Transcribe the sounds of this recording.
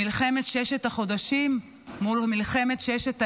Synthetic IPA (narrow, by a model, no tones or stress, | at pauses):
ilχemet̪ʃeeʃetaχo̞d̪aʃimː | ulamilχemet̪ʃejeʃeta